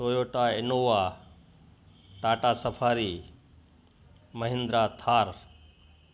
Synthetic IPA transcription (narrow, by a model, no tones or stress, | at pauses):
soːjoːʈaːɪnoːʋaː | ʈaːʈaːsəpʰaːɾi | mɐɦɪ̃nd̪ɾaːt̪ʰaːɾ